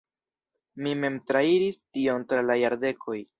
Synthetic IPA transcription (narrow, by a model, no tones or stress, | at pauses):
mime̞mtɾaiɾistio̞ntɾalajaɾde̞kʰo̞j